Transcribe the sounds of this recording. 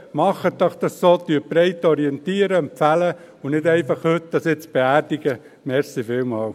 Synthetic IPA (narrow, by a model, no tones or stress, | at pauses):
mɑχətdɑχd̥̪ɑssoːt̪ypɾɛɪt̪ːɔɾiɛnt̪iəɾəɛmpfælə | ʊnɪdɛɪfɑχhɵt̚d̥̪ɑsɪt͡sb̥eæɾd̥iɡə | mɛɾsifɪːwmɑːl